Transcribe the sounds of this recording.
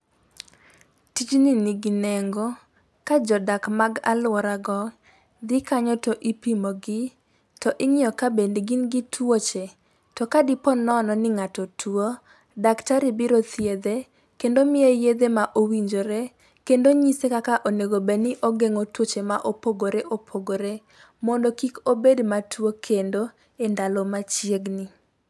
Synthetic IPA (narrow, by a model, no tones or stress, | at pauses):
tit͡ʃniniɡineŋɡo | kad͡ʒɔdakmaɡa̰lwɔɾaɡɔ | d̪ɪkaɲɔtɔʔipimɔɡɪ | tɔʔɪɲiɔkabendɡinɡɪtʰwot͡ʃe | tɔkadɪpɔnɔnɔnɪŋatɔtʰuo | daktaɾɪbiɾot̪jed̪e | kendomɪejed̪emaʔowiɲd͡ʒoɾe | kendoɲisekakaʔoneɡobenɪʔɔɡeŋotwot͡ʃemaʔopoɡoɾeʔopʰoɡoɾe | mɔndɔkikobedmatwokʰendo | endalɔmat͡ʃjeɡnɪ